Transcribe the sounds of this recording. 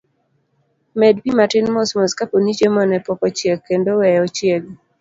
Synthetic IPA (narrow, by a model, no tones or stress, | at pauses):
mɛdbimatɪnmɔsmɔskaponid͡ʒemɔnɛpɔkɔt͡ʃjekkːendowɛɔt͡ʃjeɡ̚